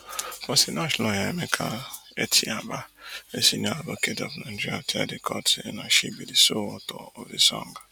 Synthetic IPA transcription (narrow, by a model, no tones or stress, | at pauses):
pɔsinɔʃlɔjaemekʰa̰ | etʰiabaesinialoketɔpnãdiatʰa̰dekʰɔtʰnaʃibidisoɔtɔɔdisɔ̰ŋɡa